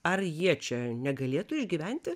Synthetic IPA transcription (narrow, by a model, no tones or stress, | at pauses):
ɐrjiɛt͡ʃʲɛnʲɛɡɐlʲeːt̪ʊɪʒʲɡʲiːʋʲænʲt̪ʲɪ